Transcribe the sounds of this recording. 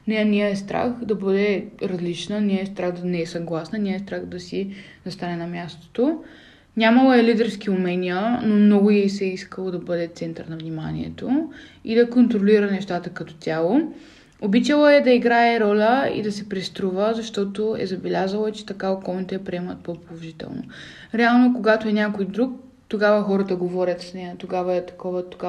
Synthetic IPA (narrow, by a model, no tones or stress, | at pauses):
nɛnʲiəɛst̪ɾa̰xd̪ɐbɤd̪ɛɾɐzlit͡ʃnəniəɛst̪ɾaxd̪ɐnɛɛsɐɡlˠasnəniəɛst̪ɾaxd̪ɐsizɐst̪anɛnɐmʲjast̪o̥t̪o | nʲamɐlˠoɛlid̪ɛɾskiʊmɛnʲiənomnɔɡʊiɛsɛiskəlˠod̪ɐbɤd̪ɛt̪sɛnt̪əɾnɐvnima̰nḭɛ̰t̪oid̪ɐkont̪ɾoliɾənɛʃt̪at̪əkɐt̪ɔ̥t̪ʲjalˠo | obit͡ʃəlˠoɛd̪ɐiɡɾaɛɾɔlʲəḭd̪ɐsɛpɾɛst̪ɾuvəzɐʃt̪ɔt̪oɛ̰zɐbɛlʲazəlˠoɛt͡ʃɛ̥t̪ɐkaokɔlˠnit̪ɛɐpɾiɛmət̪̚popolˠoʒit̪ɛ̰lˠno̰ | ɾɛalˠnokoɡat̪oɛnʲakojd̪ɾuk̚ | t̪oɡavəxɔɾət̪əɡovɔɾʲət̪snɛt̪oɡavəɛt̪ɐ̥kɔvət̪oɡa